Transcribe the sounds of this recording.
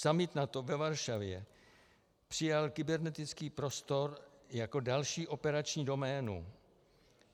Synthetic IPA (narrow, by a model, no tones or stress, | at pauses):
samɪt̪nat̪ovɛvaɾʃavjɛ | pr̝̥ɪjalkɪbɛɾnɛt̪ɪt͡skiːpɾo̞st̪o̞ɾjako̞dalʃiːʔo̞pɛɾat͡ʃɲiːdo̞mɛːnṵ